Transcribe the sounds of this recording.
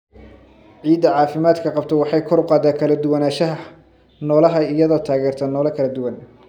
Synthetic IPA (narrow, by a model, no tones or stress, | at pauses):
ʕiːd̪ɐʕɑːfɪmaːd̪kʰɐqɑb̚t̪ʰɔwɑħɑjkʰɔɾʊqɑːd̪aːkʰɐlɐd̪ʊwɐnaːʃɐɦɐ | nɔːlɐɦɐɪjɐðɔːt̪ʰaːɣɛːrt̪ʰɐnɔːlɐkʰɐlɐd̪ʊwɐn